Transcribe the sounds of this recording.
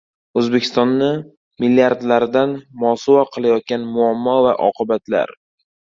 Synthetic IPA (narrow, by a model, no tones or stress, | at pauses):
ɵzbe̞kʲʰɪst̪ɒnːɪ | milːiaɾd̪laɾɪd̪anmɒsʊwaqʰɨlˠajɒt̪̚ɡʲanmʊamːɒvaʔɒ̰qʰɨbat̪ʰla̰ɾ